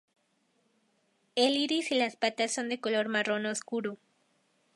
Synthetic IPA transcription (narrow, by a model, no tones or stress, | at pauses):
eliɾisilaspat̪asːo̞nd̪e̞ko̞lo̞ɾmaro̞nooskuɾo